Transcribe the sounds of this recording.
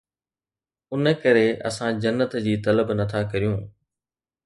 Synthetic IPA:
ʊnəkɐɾeʔɐ̰sãd͡ʑɐnːət̪d͡ʑiːt̪ɐləbnɐt̪ʰakɐɾijũː

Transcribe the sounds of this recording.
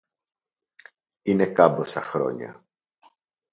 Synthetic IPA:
ine̞kɐbosɐxɾo̞̰ɲɐ̰

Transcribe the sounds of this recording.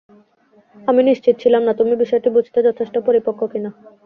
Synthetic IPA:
aminiʃt͡ɕit̪̚ːt͡ɕʰilamnat̪umibiʃɔeʈibud͡ʑʱt̪ed͡ʑɔt̪ʰeʃʈopoɾipokʰːokina

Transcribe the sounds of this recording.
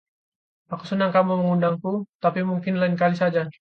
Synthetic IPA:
aku̥sənaŋkamuməŋundaŋkut̪apimuŋkɪnlainkalisad͡ʒa

